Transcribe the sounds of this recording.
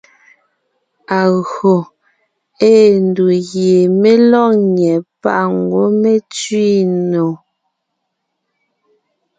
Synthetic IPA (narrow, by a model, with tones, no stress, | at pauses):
a˨ɣo˨ | eː˦˨n˨du˨ɣje˨me˦lɔ˦˨ɲɛ˨pa̰˦˨ʔŋ˨ɡwo˦me˦t͡sɥi˦no˨